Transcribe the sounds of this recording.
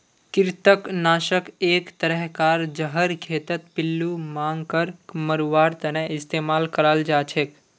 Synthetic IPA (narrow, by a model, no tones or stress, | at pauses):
kɪɾt̪əknaːʃəkeːkt̪əɾəɦkaːɾd͡ʒəɦəɾkʰeːt̪ət̪̚pɪlːumãːŋɡkəɾməɾʋaːɾt̪ɐnəɪst̪eːmaːlkəɾəld͡ʒaːt͡ʃʰek